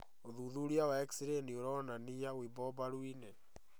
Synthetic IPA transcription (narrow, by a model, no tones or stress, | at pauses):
oðuðuɾiawaɛki̥siɾenioɾɔnanijawibɔbaɾuinɛ